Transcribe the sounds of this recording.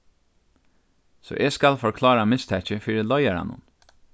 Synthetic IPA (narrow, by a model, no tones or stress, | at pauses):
sɔ̰ːʔeːskɑlfɔɹkʰlɑːɾamɪst̪ʰɛçəfiːɾəlɔʏæɾa̰nʊ̰n